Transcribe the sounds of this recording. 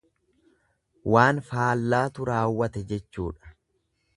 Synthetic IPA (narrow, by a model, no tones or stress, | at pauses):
waːnfaːlːaːt̪ʊɾaːwːɐt̪ɛd͡ʒɛt͡ʃːṵːᶑɐ̥